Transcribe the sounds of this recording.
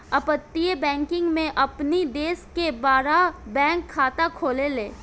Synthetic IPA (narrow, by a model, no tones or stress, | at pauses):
ɐpət̪ːiebɛ̃ːŋkɪ̃ŋɡmẽʔɐpnid̪eːskebaːɾabɛ̃ːŋkʰːaːt̪akʰoːleleː